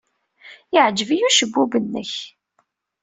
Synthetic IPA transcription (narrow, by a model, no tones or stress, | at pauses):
ɪʕd͡ʒəvijuʃəbːubənːə̰ç